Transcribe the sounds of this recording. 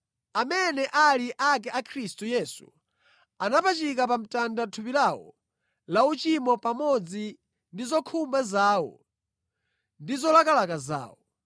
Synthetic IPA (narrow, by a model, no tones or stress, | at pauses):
amɛnɛʔaliʔak̬ɛʔakʰɾistujɛsṵ | anapat͡ʃikapam̩tandatʰupilawɔ̰ | laut͡ʃimɔpamɔd͡zi | ndizɔkʰumbazaːwɔ̰ | ndizɔlakalakaza̰ːwɔ